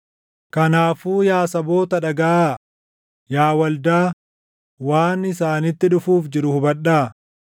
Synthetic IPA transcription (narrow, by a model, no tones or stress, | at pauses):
kɐnaːfuːjaːsɐbo̞ːt̪ɐᶑɐɡɐʔaː | jaːwɐld̪aː | waːnɪsaːnɪt̪ːɪᶑʊfuːfd͡ʒɪɾʊhʊbɐɗaː